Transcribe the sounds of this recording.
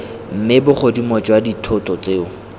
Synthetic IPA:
m̩mɪbʊχodimɔt͡ʃʼwaditʰʊtʼɔt͡seːʊ

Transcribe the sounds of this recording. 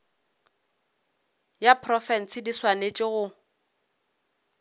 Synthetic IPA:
japʰrɔfɛn̩sɪdiswanet͡ʃʼɪɣʊ

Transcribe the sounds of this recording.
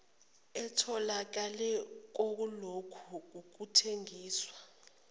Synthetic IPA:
ɛtʰɔlak̬alɛk̬ok̬ulokʰuk̬uk̬utʰeŋiːswa

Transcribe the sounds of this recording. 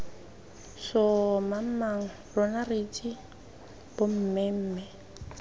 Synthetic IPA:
sɔmam̩maŋ̩ | rɔnarit͡ʃʼi | b̥ʊm̩mɛm̩ːmɛ

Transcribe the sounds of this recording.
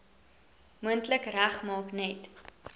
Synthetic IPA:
muəntləkræχmɑːknɛt

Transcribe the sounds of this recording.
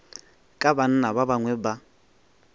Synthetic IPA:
kʼaban̩naβabaŋwɛba

